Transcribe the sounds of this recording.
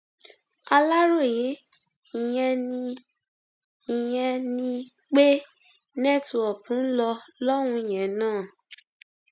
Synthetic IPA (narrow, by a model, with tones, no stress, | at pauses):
a˧la˦ɾo˦˨je˨˦ | i˨jɛ̃˧nĩ˧ | i˨jɛ̃˧nĩ˧ | k͡pe˦ | nɛ̃˦˨tũ˧ɔ˨kũ˨˦n̩˦lɔ˧lɔ˦w̃ũ˧i˨j̃ɛ̃˨nãː˦˨